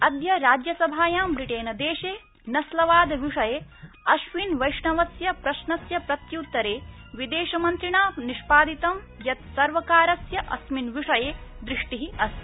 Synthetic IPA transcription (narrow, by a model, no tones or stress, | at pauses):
ɐd̪jɐɾaːd͡ʒjɐsɐbʱaːjaːmbɾiʈeːnɐd̪eːʃeː | nɐslɐʋaːd̪ʋiʂɐjeː | ɐʃʋinʋɐjʂɳɐʋɐsjɐpɾɐʃɳɐsjɐpɾɐt̪jut̪ːɐɾeː | ʋid̪eːʃɐmɐnt̪ɾiɳaːniʂpaːd̪it̪ɐm | jɐt̪sɐɾʋɐkaːɾɐsjɐʔɐ̰sminʋiʂɐjeːd̪ɾiʂʈiɦiɐs